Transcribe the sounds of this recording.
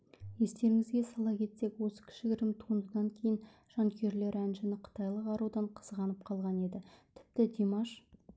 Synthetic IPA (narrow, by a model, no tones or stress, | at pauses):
je̞st̪e̞ɾɪŋɪzɡʲesɑlˠɑkʲʰe̞t̪se̞kwo̞sə̥kʲʰɪ̥ʃɪkʲɾɪmt̪ʰuənd̪əd̪ɑŋkʲʰe̞jɪn | ʒ̥ɑŋkʲʰe̞ɾle̞ɾænʒɪnɪqʰə̥t̪ɑjlˠəqɑɾud̪ɑɴqʰə̥zʁɑnəp̚qʰɑlˠʁɑne̞d̪ɪt̪ʰɪ̥p̚t̪ɪd̪ʲemɑʃ